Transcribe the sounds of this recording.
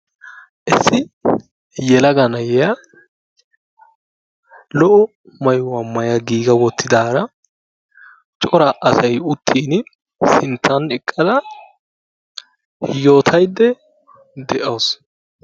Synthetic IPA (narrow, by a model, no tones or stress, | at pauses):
ʔɪsːɪ | jɛlɐɡɐnɐjɛjɐ | lɔʔɔ | mɐjʊwɐmːɐjɐɡiːɡɐwɔt̪ʰːɪd̪aːɾɐ | t͡ʃʼɔɾɐʔɐsɐjʊt̪ʰːiːn | sɪnt̪ʰːɐnɛkʼːɐd̪ɐ | jo̞ːt̪ʰɐjd̪ːɛ | d̪ɛʔɐws